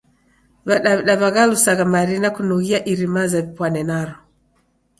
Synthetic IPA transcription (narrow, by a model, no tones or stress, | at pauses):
βaɗaβɗaβaɣalusaɣamaɾinakunuɣiaʔiɾimazaβipwanɛnaɾɔ